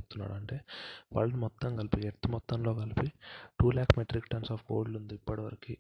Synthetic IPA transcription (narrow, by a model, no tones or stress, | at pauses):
put̪unːa̰ːɽɐɳʈe̞ːʋa̰ːɭːɐnimɔt̪ːɐmɡɐlipieɾt̪ːimɔt̪ːɐmlo̞ːkɐlipiʈuːlaːkʰmeʈɾikʈɐnsaːfɡo̰ːɖlund̪iipːɐɽɐʋɐɾɐki